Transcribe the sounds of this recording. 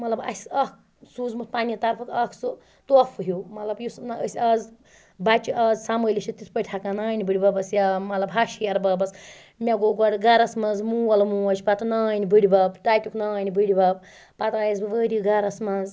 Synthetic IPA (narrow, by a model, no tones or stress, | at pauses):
mɐt̪lɐbɐ̰sʲɐk | suːzmut̪paːnʲit̪ɐɾpʰɐk̪ɐkʰsu | t̪oːfʰɨɦumɐt̪lɐbjusnəsʲɐz | bat͡ʃiʔɐzsaməlʲiʃit̪it̪ʰpɐjʲʈ̪ʰakanaːnʲbɨɽʲbɐbɐsjamɐt̪lɐbɦaʃijɐɾbɐbɐs | mʲeɡoɡɔɽɡɐɾɐsmɐnzmuwɐlɐmuɐt͡ʃʲi̥pɐt̪unaːnʲibɨɽʲibɐbʈaːjt̪ʲuknaːnʲibɨɽʲbɐb̚ | pat̪aːjizbɨʋəɾʲiɡɐɾɐsmɐnz